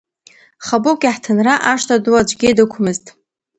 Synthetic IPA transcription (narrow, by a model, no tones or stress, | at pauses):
χabokʲʼaħtʰɨnraʔaʂtʼʰaduwad͡ʒʷʼɡʲedɨkʷʰʊmɨztʼ